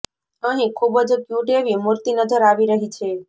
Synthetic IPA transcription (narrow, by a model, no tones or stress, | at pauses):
əɦĩkʰubəd͡ʒkjũʈeʋimuɾt̪inəd͡ʒəɾaʋiɾəɦit͡ʃʰe